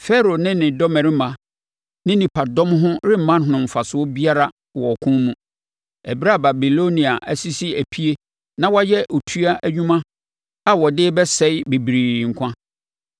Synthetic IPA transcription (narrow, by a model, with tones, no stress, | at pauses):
fɛ˦ɾo˨nɪ̃˦nɪ̃˨dɔ˦mɛ̃˨ɾɪ˦mã˨ | nɪ̃˦nĩ˨pʰa˨dɔ̃˦mɦʊ̃˦ɾɪ˦m̩˨mã˦n˦ɦʊ̃˨nʊ̃˨m̩˨fa˨sʊ˦ɔ˦bi˦a˦ɾa˨ | wɔ˨kʰʊ̃˦mũ˨ | ɛ˨bi˦ɾa˦˨ba˨bi˨lo˦nĩ˨a˨ʔæ˨si˦si˦æ˨pʰi˦e˦ | nã˦wa˦jɛ˦ʔo˨tʰu˦a˦ʔæ˦ɲᶣũ˦mã˦ | a˦wɔ˨dɪ˦bɛ˦sɛ˦ɪ˦be˨bɾiː˨ŋ̩˨kʷʰã˦